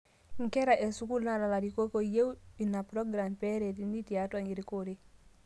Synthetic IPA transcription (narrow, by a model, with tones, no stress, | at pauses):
ŋ̩˨ke˦ɾa˨ʔe˨su˦ku˦lnala˨la˨ɾi˨ko˦ko˨je˦wi˨na˨pɾo˦ɡɾa˨mpeɾe˨tini˦ti˨ata˨ɲiɾikoɾe˦